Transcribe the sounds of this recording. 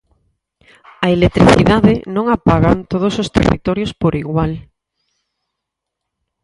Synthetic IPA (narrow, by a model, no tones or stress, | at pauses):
ɐelet̪ɾiθiðaðenõŋapaɣant̪oð̞osost̪ḛrḭt̪oɾjospoɾiɣwal